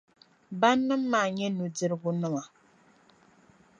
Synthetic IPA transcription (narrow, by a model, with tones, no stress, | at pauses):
ba˦nːɨ˦mː˦a˨ɲɛ˦nu˨di˦ɾɡu˦nɨ˦ŋa˨